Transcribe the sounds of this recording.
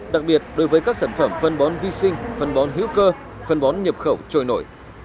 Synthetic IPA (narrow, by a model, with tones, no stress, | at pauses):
ɗa˨˩k̚ɓi˨˩ət̚ɗo˨˦jvəː˨˦jkaː˦˥k̚saː˧˩nfə˧˩mfə˧nɓɔ˨˦nvi˧sï˧ŋ̟fə˧nɓɔ˨˦nɦḭ˧˥wkəː˧ | fə˧nɓɔ˨˦nɲə˨˩p̚xə˧˩wt͡ɕo̰˧˩˨jno̰˧˩˨j